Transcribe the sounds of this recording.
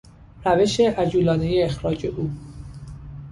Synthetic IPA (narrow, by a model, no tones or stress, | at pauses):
ɾæve̞ʃeʔæd͡ʒuːlɒːne̞je̞ːxɾɒːd͡ʒe̞ʔuː